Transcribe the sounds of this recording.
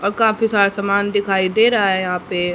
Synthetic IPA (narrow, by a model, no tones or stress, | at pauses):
ɔːɾkaːfisaːɾasamaːnd̪ɪkʰaːid̪eːɾɐɦaɛjɐɦãːpe